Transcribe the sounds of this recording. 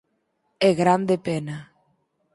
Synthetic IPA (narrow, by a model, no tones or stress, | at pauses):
eɣɾand̪epɛna